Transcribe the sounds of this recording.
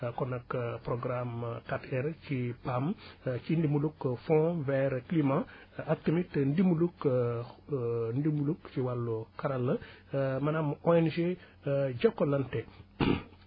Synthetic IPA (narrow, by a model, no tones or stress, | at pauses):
kɔnɐkpɾɔɡɾamkatɛɾcipamcindimulukfɔ̃vɛɾklimã | ak̚təmitndimuluk | ndimulukciwalːukaɾɐlːɐmɐnamɔɛnʒe | ɟɔkːolɐntɛ